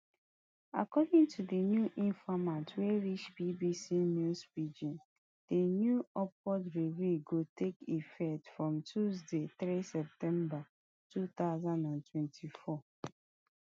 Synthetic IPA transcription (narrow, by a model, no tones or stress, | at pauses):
a̰kɔdĩŋtʰudenjuʔĩnfamatweɹit͡ʃbibisinusbid͡ʒĩn | d̥enjuɔp̚wɔdɹeveɡotʰekifɛtfɹɔ̃mtʰuzdeθɹisɛp̚tɛ̃mba | tut̪aʊzãndãntʰwɛ̃ntʰifɔ